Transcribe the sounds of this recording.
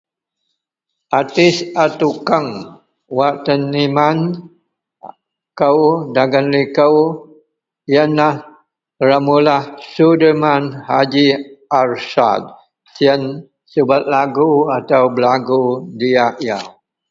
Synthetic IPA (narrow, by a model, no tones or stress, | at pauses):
ʔat̪ɪsat̪ukəŋ | waʔt̪əniman | kəwdaɡənlikəw | jənːah | ramulahsudəmanhad͡ʒiarsa̰d̚ | siən | səbat̪̚laɡuat̪awbəlaɡudiaʔja